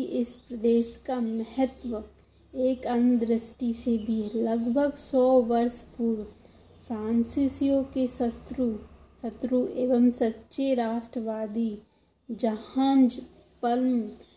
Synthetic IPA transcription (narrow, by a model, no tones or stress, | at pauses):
iʔɪspɾəd̪eːʃkamɛɦət̪ʋə | eːkɐnd̪ɾɪsʈisebʱilɐɡbʱəɡsɔːʋɐɾspʊɾ | fʰɾãːnsɪsijõkesət̪ɾu | sɐt̪ɾuʔeːʋəmsɐtːʃeɾaːʃʈɾəʋaːd̪i | d͡ʒɐhãːnd͡ʒ | pɐlm